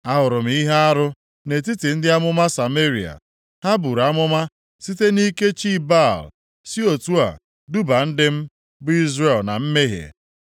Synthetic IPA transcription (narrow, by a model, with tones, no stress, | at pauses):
a˦ɦʊ˨ɾʊ˨m̩˨i˦ɦe˦a˦ɾʊ˦ | ne˨t̬i˦ti˨n̩˦dɪ˦a˦mʊ˦ma˦sa˨me˦ɾi˨a̰˨ | ha˦bu˨ɾa˦mʊ˦ma˦ | si˦te˦ni˦ke˦t͡ʃi˦ba˦˨l | si˦o˨tu˦a̰˨ | du˦ba˨n̩˦dɪ˦m̩˦ | bʊ˦i˦zre˨lna˨m̩˦me˦ɦḛ˨